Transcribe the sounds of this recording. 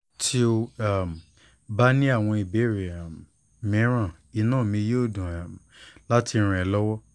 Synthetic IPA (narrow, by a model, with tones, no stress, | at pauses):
tʰi˦o˧a˦˨m˨ | ba˦nĩ˦a˦˨w̃ɔ̃˧i˨be˨˦ɾi˨a˨ | mĩ˨˦ɾ̃ã˦˨ | i˧˦nãː˦˨mĩ˧jo˦˨dũ˨ | la˦ti˧˦ɾ̃ɛ̃˨lɔ˦wɔ˦